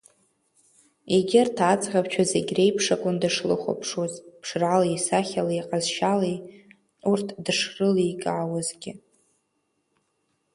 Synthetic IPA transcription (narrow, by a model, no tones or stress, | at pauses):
eɡʲɪrtʰat͡sʼʁʲapt͡ʃʷʰazeɡʲrejpʰʂakʼʊndɨʂlɨ̰χʷa̰pʰʂwazʼpʰʂralaisaχʲalaiqʼazʃalej | urtʰdɨʂrɨlijkʼʕawazɡʲɪ